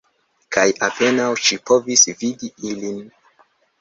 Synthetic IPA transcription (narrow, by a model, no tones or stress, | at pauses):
kajape̞nawʃipo̞visvidiilin